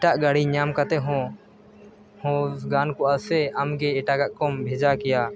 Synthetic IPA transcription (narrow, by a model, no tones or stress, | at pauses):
ɛʈaʔɡaɽiɲamkat̪ɛɦɔ̃ | hɔ̃ɡankɔʔasɛamɡɛːʈaɡaʔkɔmbʱɛd͡ʒakɛja